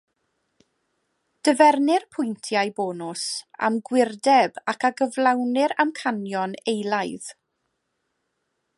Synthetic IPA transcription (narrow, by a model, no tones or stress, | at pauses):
d̥əvɛrnɪrpʰʊjntʰjajbɔːnʊsa̰mɡwɪrdɛbakʰaɡəvlˠawnɪɾamkʰanjɔnejlˠajð̥